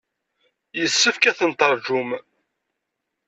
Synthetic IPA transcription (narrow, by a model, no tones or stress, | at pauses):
jəsːəfkæθənt̪əɾˤʒum